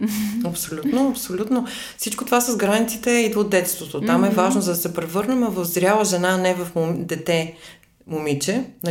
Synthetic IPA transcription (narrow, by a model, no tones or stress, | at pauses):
ɐpsolʲut̪noɐpsolʲut̪no | fsit͡ʃkot̪ovasɐzɡɾanit̪sit̪ɛid̪od̪d̪ːɛt̪st̪vot̪ot̪amɛvaʒnozɐd̪ɐsɛpɾɛvɤɾnɛmɛvɐfzɾʲalˠəʒɛnaːnɛvɐfd̪ɛt̪ɛ | momit͡ʃɛnɐ